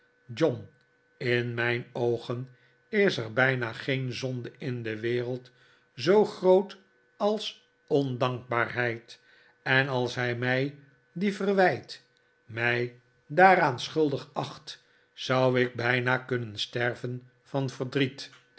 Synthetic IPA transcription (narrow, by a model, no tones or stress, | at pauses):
d͡ʒɔn | ɪnmɛjnowχən | ɪsəɹbɛjnaχejnzɔndəɪndəʋɪːrəlˠt | zowχrowt | ɑlˠs | ɔndɑŋk̚baːɹɦɛjt | ɛnɑlˠsɦɛjmɛj | difərʋɛjt | mɛj | daːɾaːnsχɵlˠdəχɑχt | z̥ɑwɪɡ̚bɛjnaːkɵnənstɛrvən | fɑnv̥ərdrit